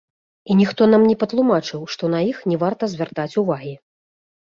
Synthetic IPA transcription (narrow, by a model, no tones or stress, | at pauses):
inʲixt̪ɔnamnʲɛpɐt̪lˠumat͡ʂɨwʂt̪ɔnɐixnʲɛvart̪ɐzʲvʲart̪at͡sʲuvaɣʲi